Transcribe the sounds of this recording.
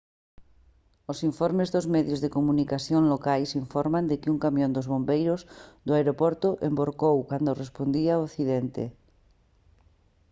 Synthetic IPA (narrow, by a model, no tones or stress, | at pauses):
osiɱfoɾmezðozmeðjozðekomunikaθjonlokajsiɱfoɾmãnd̪ekeuŋkamjõnd̪ozβõmbejɾozd̪oaeɾopoɾt̪oʔemboɾkowkand̪orespond̪iaoθiðent̪ḛ